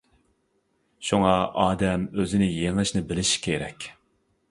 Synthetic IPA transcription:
ʃuŋɑʔɑːd̪ɛmøzɪnɪjeŋɨʃnɪbɪlɪʃkʲʰeɾɛkʲ

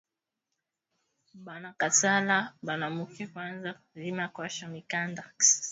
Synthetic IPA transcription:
banakatalabanamukɛkwanza | zimakwaʃamikanda

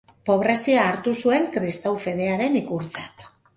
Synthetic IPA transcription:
po̞β̞ɾe̞siaːɾt̪usue̞ŋkɾist̪awfe̞ð̞e̞aɾe̞nikuɾt͡sat̪

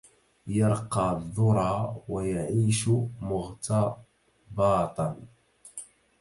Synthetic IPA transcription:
jɑɾˤqɑːðˤːʊɾˤɑːwajaʕiːʃʊmʊɣt̪ɑ | bɑːt̪ˤɑn

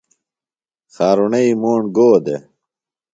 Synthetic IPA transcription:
xaːɾuneimoːɳɡoːd̪ḛ

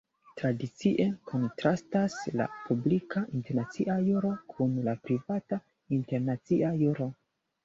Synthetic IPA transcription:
tɾadit͡siʔe̞kʰo̞ntɾastasla̰publikʰaʔinte̞ɾnat͡siʔajuɾo̞kʰunlapɾivata | inte̞ɾnat͡siʔajuɾo̞

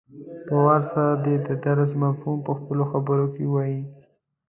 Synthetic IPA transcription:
pawaɾsaɾad̪ed̪əd̪aɾs̬mafhumpəxpəloxabəɾokewaji

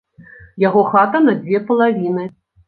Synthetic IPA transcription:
jaɣɔxat̪ɐnɐd͡zʲvʲɛpɐlˠavʲinɨ

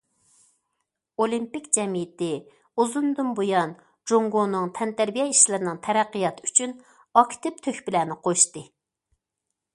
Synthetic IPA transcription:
olˠimpikʲd͡ʒɛmijɪt̪ɪ | uzund̪umbojɑn | d͡ʒoŋɡonɨŋt̪ʰɛnt̪æɾbijɛiʃlɪɾɪnɪŋt̪ʰɛɾæqːijɑt̪ʰɨyt͡ʃʰyn | ɑkʲt̪ɪp̚t̪ʰøxʲbɪlæːnɪqʰoʃt̪ɨ

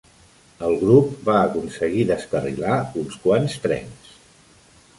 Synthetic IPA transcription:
əlˠɣɾup̚baəkunsəɣiðəskərḭlaunskwanst̪ɾɛ̰ns

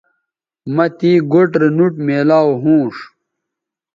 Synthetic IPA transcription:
mɐt̪iːɡoʈɾenuʈmeːlaːwɦũːʂ

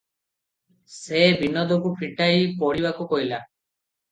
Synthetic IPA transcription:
sebʱinɔd̪ɔkupʰiʈajpɔɽibakukɔɦila

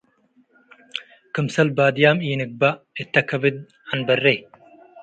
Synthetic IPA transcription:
kɨmsɐlbaːd̪jaːmiːnɨk̚ba | et̪ːɐkʰɐvɪd̪̚ | anbɐrːej

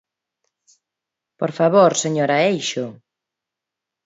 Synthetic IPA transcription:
poɾfaβoɾseɲoɾɐejʃʊ

